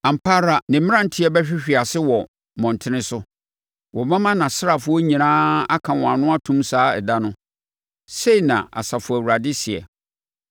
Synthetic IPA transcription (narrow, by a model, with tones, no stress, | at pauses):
ã˨m̩˨pʰaː˦ɾa˨nɪ̃˨m̩mɪ̃˦ã˦n̩˦tʰɪ˦ɛ˦bɛ˦ɕᶣɪ˦ɕᶣi˨a˨sɪ˦wɔ˨ | mɔ̃˨n˨tʰɪ̃˦nɪ̃˦sʊ˦ | wɔ˨mã˦mã˦nã˨sɪ˦ɾa˨fʊ˦ɔ˦ɲĩ˨nãː˦a˦kʰã˨wɔ̃˨a˨nʊ̃˦a˦tʰũ˦msaː˨˦ɛ̰˨da˦nʊ̃˦ | se˦i˨nã̰˨a̰˨sa˨fʊ˨æ˨wu˨ɾa˨dɪ˦sɪ˨ɛ̰˨